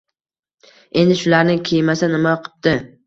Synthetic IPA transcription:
e̞nd̪ɪʃʊlaɾnɪkʲʰejmasanɪmaɒqʰɨ̥p̚t̪ɪ

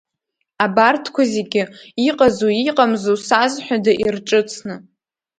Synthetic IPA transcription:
abartʰkʷʰazeɡʲɪiqʼazuiqʼamzusazħʷᶣadaʔirʈ͡ʂʼɨt͡sʰnɨ

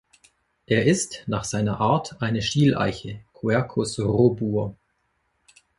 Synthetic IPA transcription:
ʔeːɐʔɪstnaːχz̥aɪnɐʔaːɐtʔaɪnəʃtiːlʔa̰ɪçəkʰuɛɐkʰʊsʁobuːɐ

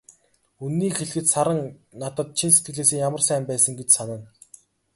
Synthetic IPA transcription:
unːiːkxeɮ̆xɘ̆t̪saɾə̆ŋnat̪ə̆t̪̚t͡ɕʰinset̪ɡɘ̆ɮeːs̬eːŋjamə̆rsæːmpæːsə̆ŋɡet͡ɕsanə̆n

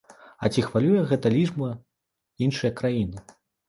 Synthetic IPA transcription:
ɐ̰t͡sʲixvalʲujɛɣɛt̪ɐlʲiʐbɐ | inʂɨjɐkɾajinɨ

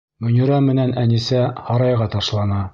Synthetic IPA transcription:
mɵ̆niɾɑmɘ̆nænænisæhɑɾɑjʁɑt̪ɑʃlˠɑnɑ

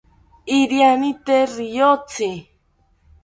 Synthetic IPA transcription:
iɾjanit̪eɾijot͡si

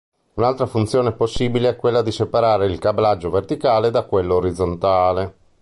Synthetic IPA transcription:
unalt̪ɾafunt̪sjoːneposːiːbileɛkːwelːad̪isepaɾaːɾeilkablad͡ʒːovert̪ikaːled̪akwelːoːɾid̪zːont̪aːle

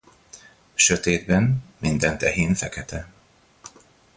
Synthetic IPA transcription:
ʃøt̪eːd̪bɛnmind̪ɛnt̪ɛɦeːnfɛkɛt̪ɛ

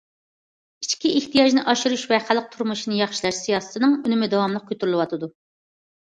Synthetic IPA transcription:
it͡ʃkʲiʔeht̪ʰijɑʒnɨʔɑʃuɾuʃvɛχælːəq̚t̪ʰuɾmuʃinɨjɑχʃilˠæʃsijɑːsɨ̥t̪ʰɨnɨŋynɪmɪd̪ɛwɑmlˠəq̚kʲʰøt̪yɾylˠɨwɑt̪ʰɨd̪u

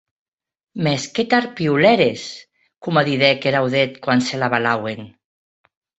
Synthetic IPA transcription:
mesket̪aɾpiulɛɾes | kumaðiðɛkeɾawðet̪kwanselaβalawen

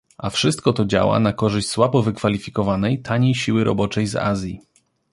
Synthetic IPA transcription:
ʔafʂɘst̪̚kɔt̪ɔd͡ʑa̰wa̰nakɔʐɘɕt͡ɕʲswabɔvɘkfalʲifʲikɔvanɛjt̪ʰaɲejɕiwɘɾʔɔ̰bɔt͡ʂɛjza̰zʲji

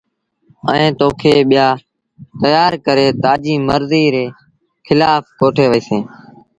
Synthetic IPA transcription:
ə̰̃ĩːt̪oːkʰeːɓɪjaː | t̪əjaːɾkəɾeːt̪aːd͡ʒiːməɾziːɾeː | xʰɪlaːfkoːʈʰeːʋəiːsẽː

